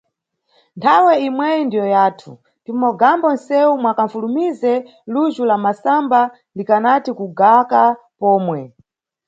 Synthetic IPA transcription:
ntʰawɛimwɛjindijɔjaːtʰu | timɔɡambɔn̩sɛumwakaɱfulumizɛ | luʒulamasamba | likanatikuɡaka | pɔːmwɛ

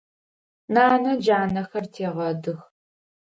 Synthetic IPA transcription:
naːnɐd͡ʒaːnɐxɐrtʰeːʁɐdɨx

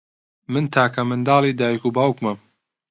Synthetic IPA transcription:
mɨnt̪ʰaːkʰɐmɨnd̪ɑːlˠiːd̪aːjkubaːwkmɐm

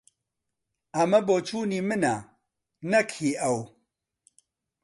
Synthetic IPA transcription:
ɐmɐboːt͡ʃuːniːmɨna | nɐkʰiːʔɐw

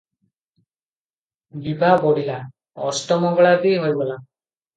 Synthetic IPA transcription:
bibʱabɔɽila | ɔ̰sʈɔmɔɡɔɭab̪iɦojbɔla

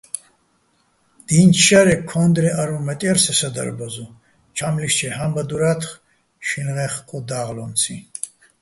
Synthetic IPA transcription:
d̪̥iːnt͡ʃʰʃaɾɛkʰɔnd̪ɾɛʔaɾumɛt̪ʼjaɾsɛsad̪a̰ɾbazu | t͡ʃʰamliʃt͡ʃʰɛhambad̪uɾat̪ʰχ | ʃinʁɛχkʼɔd̪aʁlɔnt͡sʰḭ

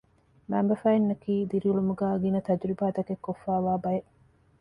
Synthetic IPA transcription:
bæːmbɐfæːenːɐkiːd̪iɾiulumuɡæːɡinɐt̪ɐd͡ʒɾibaːt̪ɐkekːofːaːʋaːbɐjeʔ

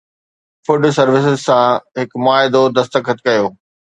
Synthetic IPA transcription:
fʊɖsɐɾʋɪs̬ɪzsãɦɪkmʊaːɪd̪od̪ɐst̪əkʰət̪kɐjoː

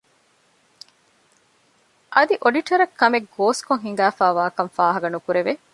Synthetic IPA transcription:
ʔɐd̪iʔoɖiʈɐɾɐkːɐmeɡoːskoŋɦiŋ̆ɡ̪æːfaːʋaːkɐɱfaːɦɐɡɐnukuɾeʋe

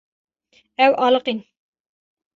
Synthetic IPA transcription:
ɛwʔɑːlɨqin

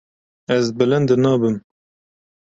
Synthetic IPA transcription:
ɛzbɨlɨnd̪ɨnɑːbɨm

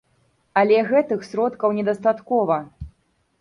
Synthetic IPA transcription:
ɐlʲɛɣɛt̪ɨxsʲɾɔt̪kɐwnʲɛd̪ɐst̪at̪kɔvɐ

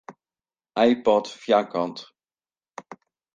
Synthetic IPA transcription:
ʔajpɔt̪fjakɔ̃nt̪

